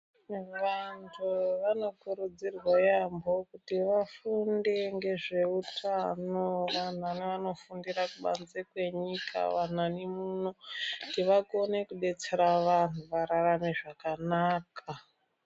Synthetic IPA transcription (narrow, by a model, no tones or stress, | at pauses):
ʋantʰuʋano̞kuɾud͡zirwajambo̞kutiʋafundeŋɡe̞ʐe̞utʰanoʋan̤aniʋano̞fundirakuɓa̰nd͡zekwe̞ɲika̰ʋan̤anemunotiʋakone̞kuɗe̞t͡se̞ɾaʋantuʋaɾaramiʐakanaːka